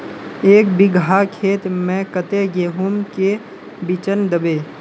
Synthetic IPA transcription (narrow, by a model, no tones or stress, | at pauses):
eːkbɪɡʱakʰeːt̪mɛ̃kət̪eɡeːɦumke | bit͡ʃənd̪əbeː